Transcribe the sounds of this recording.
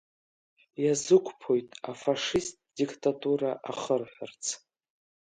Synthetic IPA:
jazɨkʷʰʼpʰo̞jtʼafaʂist̚ʼdikʼtʼatʼuɾaʔaχərħʷᶣart͡sʰ

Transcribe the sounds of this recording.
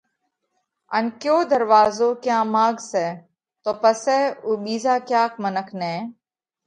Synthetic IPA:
ə̰nkjoːd̪əɾʋaːzoːkjãːmaːɡsɛː | t̪oːpəsɛːuːɓiːzaːkjaːk̚mənəkʰnɛ̃ː

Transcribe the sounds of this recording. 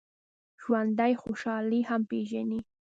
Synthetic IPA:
ʒ̥wand̪ajxoʃɑlihampeʒani

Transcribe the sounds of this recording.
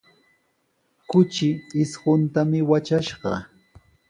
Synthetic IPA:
kʊt͡ʃɪɪsɢʊnt̪amɪwat͡ʃaʃɢɑ̰

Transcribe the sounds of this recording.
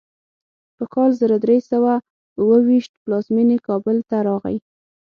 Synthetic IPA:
pəkɑlzəɾad̪ɾesawa | uwəwiʃt̪plɑzminekɑbəlt̪aɾɑɣa̰ji

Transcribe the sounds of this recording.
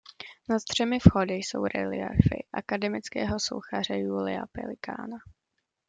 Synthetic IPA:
nat̪t̪r̝̥ɛmɪfxodɪjso̞̰wɾɛ̰lɪaɾfɪ̰ʔakadɛmɪt͡skɛːɦo̞so̰wxar̝ɛjuːlɪa̰pɛ̰lɪka̰ːna

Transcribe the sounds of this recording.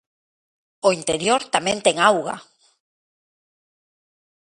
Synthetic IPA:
oint̪eɾjoɾt̪amẽnt̪eŋawɣa̰

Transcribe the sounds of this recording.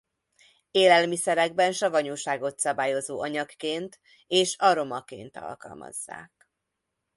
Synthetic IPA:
eːlɛlmisɛɾɛɡbɛnʃɒvɒɲoːʃaːɡo̞t̪sɒbaːjo̞zoːʔɒɲɒkːeːnt̪ | eːʃɒɾo̞mɒkḛːnt̪ɒ̰lkɒ̰lmɒ̰zːa̰ːk̚

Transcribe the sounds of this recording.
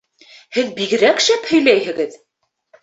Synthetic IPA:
hɘðbiɡɘ̆ɾækʃæphɵ̆jlæjhɘ̆ɡɘð

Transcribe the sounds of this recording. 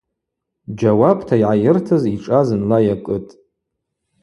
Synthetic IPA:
d͡ʒawabtʰaiʕajɪrtʰɨziʈ͡ʂʼazɨnlajakʼɨtʼ

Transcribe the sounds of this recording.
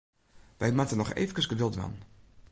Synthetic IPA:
ʋɛjmatənɔxḛːvəkəsɡəʋɪlˠtʋa̰n

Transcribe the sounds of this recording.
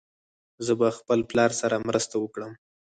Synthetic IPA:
zəbaxpəlplɑɾsaɾamɾəst̪awəkɽəm

